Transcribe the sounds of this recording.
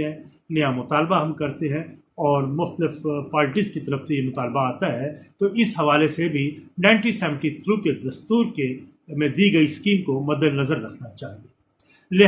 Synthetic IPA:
ɦɛ̃ | nɐjamʊt̪aːlbaɦɐmkɐɾt̪eɦɛ̃ | ɔːɾmʊxt̪əlɪfpaːɾʈizkit̪ɐɾəfsejemʊt̪aːlbaaːt̪aɦɛt̪oɪsɦɐʋaːlesebʱinãːɪɳʈisɛːʋə̃ɳʈit̪ʰɾuked̪ɐst̪uːɾke | mẽd̪iːɡɐiskiːmkomɐd̪əlnɐzəɾːɐkʰnat͡ʃaːɦieː | leː

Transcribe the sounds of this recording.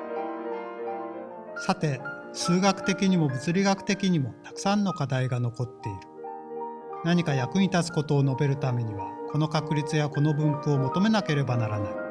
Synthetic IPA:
sat̪e̞sɨːɡakɯ̟̥t̪e̞kʲiɲ̟imo̞bɯ̟t͡sɨɾʲiɡakɯ̟̥t̪e̞kʲiɲ̟imo̞t̪ḁkɯ̥sãnːo̞kad̪aiɡano̞ko̞t̪ːe̞iɾɯ̟̥ | naɲ̟ikajakɯ̟ɲ̟it̪at͡sɨ̥ko̞t̪o̞ːno̞be̞ɾɯ̟t̪ame̞ɲ̟iβakʰo̞no̞kakɯ̟ɾʲit͡sɨjako̞no̞bɯ̟̃ŋkɯ̟o̞mo̞t̪o̞me̞nake̞ɾe̞banaɾanai

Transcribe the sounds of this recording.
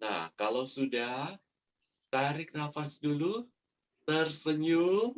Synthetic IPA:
na̰hkalawsudah | t̪aɾɪk̚nafasdulu | t̪ərsəɲum

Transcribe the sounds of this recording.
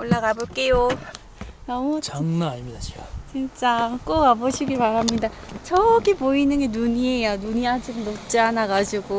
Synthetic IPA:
oɭːaɡaboɭk͈e̞jo | nʌmut͡ɕaŋnaɲimidaɕʰiɡat͡ɕint͡ɕ͈ak͈oɡaboɕʰiɡiɭpaɾamɲida | t͡ɕʰʌɡʰipoinɯnɡe̞nuɲiejanuɲiad͡ʑiknʌt͡ɕ͈ianaɡad͡ʑiɡo

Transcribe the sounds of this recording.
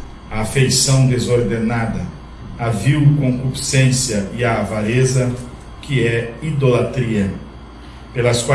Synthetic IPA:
ɐafejsɐ̃w̃d̪ezoɾd̪enad̪ɐ | aviwkõkupi̥sẽsjɐiaːvalezɐ | kɪɛid̪olat̪ɾiɐ | pelɐskwa

